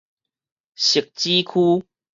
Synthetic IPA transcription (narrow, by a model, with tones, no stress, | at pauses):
ɕi˨˩k̚t͡ɕi˦kʰu˦